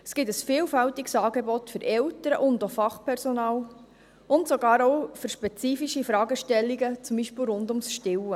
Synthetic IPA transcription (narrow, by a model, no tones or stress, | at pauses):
sɡ̥ɪtəsfiːlfæltiksɑːɡebɔtfʏɾʔɛltəɾəʔʊndofɑχpɛɾsonɑːl | ʊntsoɡɑːɾɔʊfʏɾʃpɛt͡siːfiʃifɾɑːɡəʃtɛlːiɡət͡sʊmbiːʃpɪːlɾʊndʊmsʃtɪwə